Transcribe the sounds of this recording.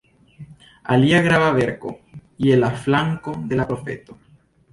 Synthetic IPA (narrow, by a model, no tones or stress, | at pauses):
a̰liaɣɾaβaβeɾko̰ielaflaŋkoðelapɾofḛt̪o